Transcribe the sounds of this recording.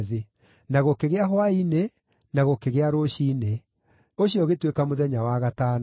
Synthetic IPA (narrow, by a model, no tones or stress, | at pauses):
ðe | naɣokeɣeaɦwaine | naɣokeɣeaɾoɕine | oɕiɔɣetwekamoðɛɲawaɣatan